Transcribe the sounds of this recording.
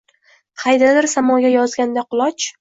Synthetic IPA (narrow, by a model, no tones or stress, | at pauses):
qʰɑjd̪alaɾsamɒɡʲajɒzɡʲand̪aqʰʊlˠɒt͡ʃ